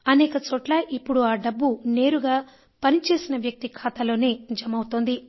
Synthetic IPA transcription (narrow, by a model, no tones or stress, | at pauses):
ɐnɛːkɐt͡ʃoːʈlaːʔipːuɽuaːɖɐbːune̞ːɾuɡaː | pɐnit͡ʃe̞ːsinɐʋjɐk̚t̪ikʰaːt̪ɐlo̞ːne̞ːd͡ʒɐmɐwut̪oːnd̪i